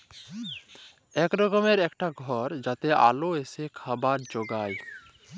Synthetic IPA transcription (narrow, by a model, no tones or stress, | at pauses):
ɛkɾɔɡɔmeɾɛkʈaɡʱɔɾd͡ʒat̪eʔa̰loesekʰabaɾd͡ʒoɡaj